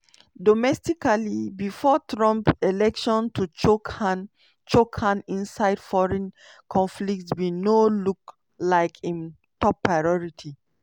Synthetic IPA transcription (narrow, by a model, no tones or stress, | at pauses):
dɔmɛstikalibifɔtʰɹɔ̃mpɛlɛkʃɔ̃ntʰut͡ʃkn | t͡ʃokãnĩnsajdfɔɹɛ̃n | kʰɔ̃nflik̚twinoluk | laɪjkʰĩn | tɔpːɹajɔɹitʰi